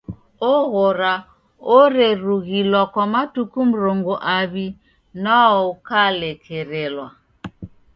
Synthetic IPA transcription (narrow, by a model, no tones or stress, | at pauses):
ɔɣɔɾa | ɔɾɛɾuɣilwakwamatukum̩ɾɔŋɡɔʔaβi | naɔkalɛkʰɛɾɛlwa